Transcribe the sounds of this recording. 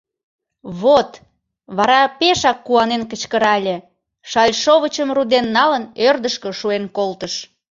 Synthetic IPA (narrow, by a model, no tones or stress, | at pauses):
βot̪ | βɑɾɑpeʃɑkːuɑnenkət͡ɕkəɾɑlʲe | ʃɑlʲʃoβət͡ɕəmrud̪enːɑlənørd̪əʃkəʃuenkolt̪əʃ